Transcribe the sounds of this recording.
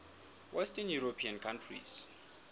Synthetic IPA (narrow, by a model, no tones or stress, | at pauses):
wʔɛstɛnjuɾopʰiankʰãntʰrḭs